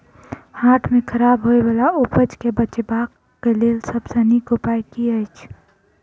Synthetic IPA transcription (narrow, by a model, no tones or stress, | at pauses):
haːʈʰmẽkʰəɾaːbɦoebalaopət͡ʃkebət͡ʃbaːk | kːeleːlsəbsənikopaːjkiəjt͡ʃʰ